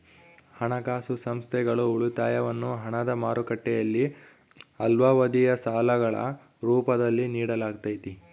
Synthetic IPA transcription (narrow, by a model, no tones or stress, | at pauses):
hɐɳɐkaːsusɐmst̪ʰɛɡɐɭuuɭut̪aːjɐʋɐnːuɦɐɳɐd̪ɐmaːɾukɐʈːɛjɐlːi | ɐlʋaːʋɐd̪ijɐsaːlɐɡɐɭɐ̰ | ɾuːpɐd̪ɐlːiniːɽɐlaːɡt̪ajit̪i